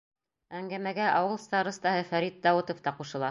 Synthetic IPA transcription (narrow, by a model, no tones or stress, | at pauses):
æŋɡæmæɡæʔɑwɤ̆lˠst̪ɑɾɤ̆st̪ɑhɤfæɾit̪̚d̪ɑwɤt̪ŏft̪ɑquʃɤ̆lˠɑ